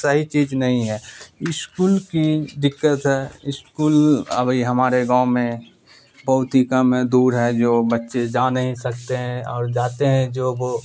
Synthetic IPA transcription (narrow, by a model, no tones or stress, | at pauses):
səɦit͡ʃiːznɐɦĩɦɛːɪskuːlkid̪ɪkːət̪ɦɛːɪskuːlə̰bʱiɦɐmaːɾeɡãːʊmẽ | bɐɦʊt̪ɦikəmɦɛ̃d̪uːɾɦɛd͡ʒoːbətːʃed͡ʒaːnəɦĩsɐkt̪eɦɛ̃ɔːɾd͡ʒaːt̪eɦɛ̃d͡ʒoːboː